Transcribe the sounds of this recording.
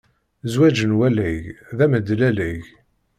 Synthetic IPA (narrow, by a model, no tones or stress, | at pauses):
zwæd͡ʒənwælæʝðæməd̪lælæʝ